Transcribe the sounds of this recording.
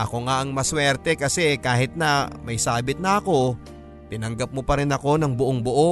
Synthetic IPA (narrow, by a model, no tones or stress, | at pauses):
ʔɐko̞ŋaʔɐŋmɐswɛɾt̪ɛkɐsɛkaːɦɪt̪̚nɐmɐjsaːbɪt̪̚nɐʔɐko̞ | t̪ɪnɐŋɡɐp̚mopɐɾɪnɐko̞nɐŋbʊʔoŋbʊʔo̞